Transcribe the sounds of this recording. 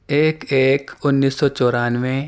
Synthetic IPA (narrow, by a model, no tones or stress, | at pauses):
eːkeːkʊnːiːsːɔt͡ʃɔːɾaːnʋẽ